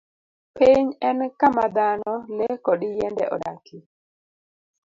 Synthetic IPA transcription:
peɲɛnkamad̪anɔlɛkɔdɪjɛndɛ̰ʔɔ̰da̰ki

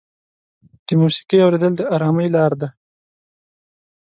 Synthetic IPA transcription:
d̪̥əmusi̥qijawɾed̪əld̪əaɾɑməjlɑɾd̪a

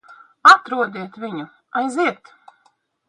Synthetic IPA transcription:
at̪ɾuɔd̪ʲiɛt̪vʲiɲu | ajziɛt̪

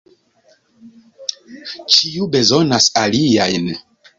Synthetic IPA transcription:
t͡ʃiube̞zo̞nasaliajn

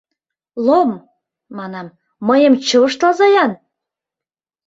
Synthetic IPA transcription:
lom | mɑnɑm | məjə̆mt͡ɕɤəʃt̪ɑzɑjɑn

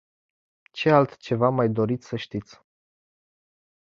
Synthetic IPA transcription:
t͡ʃe̞alt̪t͡ʃe̞vamajd̪o̞ɾit̪sʲsəʃt̪it̪sʲ

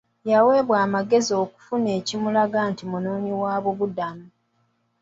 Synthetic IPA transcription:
jawe̞ːβwaːmaɡe̞zio̞ːku̥fune̞ːcimulaɡaːntimunoːniwaːβuβudami

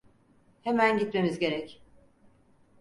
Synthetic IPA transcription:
hemænɟit̪me̞mizɟe̞ɾɛc

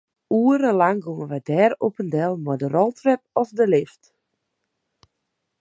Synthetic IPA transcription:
uəɾəlaŋɡuŋəʋadɛːropəndɛlˠmɔdərolˠtʰrɛp̚ɔsdəlɪft

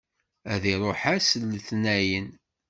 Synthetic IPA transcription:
æðiɾˤoħæsəlːθnæjən

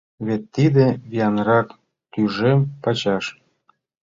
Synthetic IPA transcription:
βet̪ːid̪ĕβijɑnɾɑk | t̪yʒempɑt͡ɕɑʃ

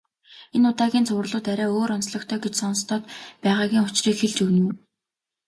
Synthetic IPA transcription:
enʊt̪aːɣʲiːnt͡sʰʊwrɮʊːt̪æɾʲæːoːɾɔnsɮɞ̆kt̪ʰœːɡet͡ɕsɔnst̪ʰɔːt̪pæːʁaːɣʲiːŋʊt͡ɕriːkxeɮt͡ɕuwnŭː

